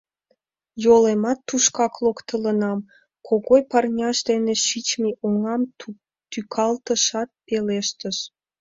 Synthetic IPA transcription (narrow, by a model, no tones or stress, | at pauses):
jolemɑt̪ːuʃkɑklokt̪ələnɑm | kʰoɣojpɑrnʲɑʃd̪eneʃit͡ɕmeʔuŋɑm | t̪ykʰɑlt̪əʃɑt̪̚peleʃt̪əʃ